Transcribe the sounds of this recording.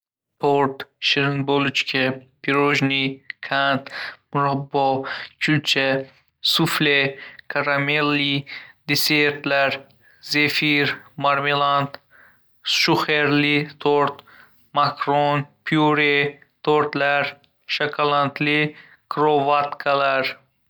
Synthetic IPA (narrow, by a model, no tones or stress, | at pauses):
pʰoɾt̪ʃiɾnbolt͡ʃkʲʰɛpʰiɾoʒnikʰant̪muɾabːɔt͡ʃʲʰult͡ʃʰɛ | suflekʰaɾamelːid̪eseɾt̪laɾ | zefiɾmaɾmelant̪ | ʃuχeɾlit̪ʰoɾt̪ | makɾonpʰiuɾe | t̪ʰoɾt̪laɾ | ʃakʰalant̪ʰli | kʰɾovat̪kʰalaɾ